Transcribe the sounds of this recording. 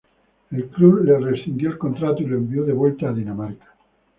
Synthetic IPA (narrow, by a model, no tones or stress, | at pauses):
elkluβleresθind̪joelko̞nt̪ɾat̪oiloembioðe̞βwe̞lt̪aːðinamaɾkḁ